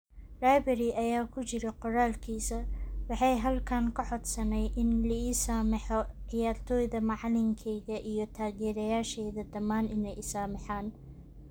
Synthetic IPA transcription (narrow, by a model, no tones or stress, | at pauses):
rajbɐɾiʔɐjaːkʰʊt͡ʃɪɾɛqɔɾaːlkʰiːsɐwɑħɑjɦɐlkʰaːŋkʰɐħɔd̪sɐnɛjʔɪnlɐiːsaːmɪħɔʕɪjaːrt̪ʰɔːjðɐmɑʕɑlɪŋkʰɛjðɐʔijɞt̪ʰaːɣɛːɾɐjaːʃɛjðɐd̪ɐmːaːnɪnɛjɪsaːmɪħaːn